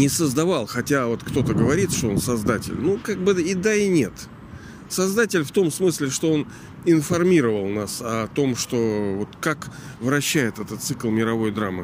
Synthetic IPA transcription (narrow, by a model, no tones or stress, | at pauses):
nʲɪsəzd̪ɐvɑlˠxɐtʲavo̞t̪kt̪o̞t̪əɡəvɐɾʲit̪ʂt̪oo̞nsɐzd̪atʲɪ̰lʲnukaɡ̚bɨɪd̪aɪnʲe̞t̪ | sɐzd̪atʲɪlʲft̪o̞msmɨsʲlʲɪʂt̪o̞o̞n | ɪnfɐrmʲiɾəvəlˠnasɐt̪o̞mʂt̪o̞vo̞t̪kakvɾɐɕːæjɪt̪ɛt̪ət̪t̪sɨklˠmʲɪɾɐvo̞jd̪ɾamːɨ̰